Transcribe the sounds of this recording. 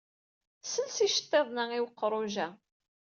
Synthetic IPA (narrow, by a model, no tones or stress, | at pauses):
sənsiʃə̥t̪ˤːeðˤnæiwqːɾˤoʒæ